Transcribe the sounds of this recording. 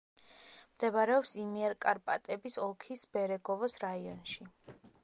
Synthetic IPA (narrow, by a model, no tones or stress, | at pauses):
md̪̥ɛbɾɛɔpsimiɛɾkʼaɾpʼat̪ʼɛbisɔlˠkʰisbɛɾɛɡɔvɔsɾaiɔnʃi